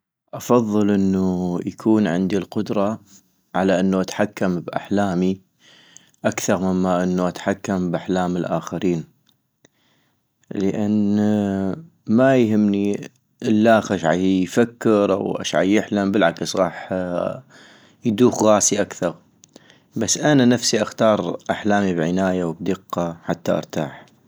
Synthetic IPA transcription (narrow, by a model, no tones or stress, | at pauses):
ʔɑfɑðˤːɨlʔənːujakʰuːnʕɪ̰nd̪ilqʊd̪ɾˤɑ | ʕalaʔɪnːuʔat̪ħakːambʔa̰ħlaːmi | ʔakθɑɾˤmɪmːaʔɪnːuʔat̪ħakːambʔaħlaːmɪlʔaːxaɾiːn | ləʔan | majɦɪmːni | ʔɪlːaːxaʃʕa̰jfakːɪɾʔa̰wʔa̰ʃʕa̰jjɪħlambəlʕaksɣɑːħ | jd̪uːxɣaːsiʔakθɑɾˤ | basːʔananafsiʔaxt̪ɑːɾˤʔaħlaːmibʕɪnaːjawbd̪ɨqːɑaħat̪ːaʔɑ̰ɾˤt̪aːħ